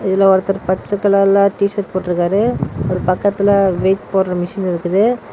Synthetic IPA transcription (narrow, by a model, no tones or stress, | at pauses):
ɪðɪlɐʋɐɾɐt̪ːɐɾpɐt͡ʃːɐkːɐlaːlːãːʈiːʂɐɾpoːʈːɪɾɯkːaːɾɯɔɾɯpɐkːɐt̪ːɪlɐʋeːtpoːɾɾɐmɪʂɐnɪɾɯkːɐðɯ